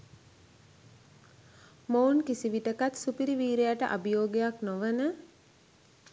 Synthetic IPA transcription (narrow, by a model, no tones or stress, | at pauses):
mounkisiʋiʈəkat̪supiɾiʋiːɾeaʈə̰ʔa̰bijoːɡejaknoʋənə